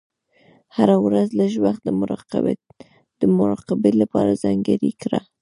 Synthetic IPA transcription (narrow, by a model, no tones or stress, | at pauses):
haɾawɾazlaʒwaxt̪̚d̪əmʊɾɑqa̰b | d̪̥əmʊɾɑqɪbelapɑɾazaŋɡaɾikɾa̰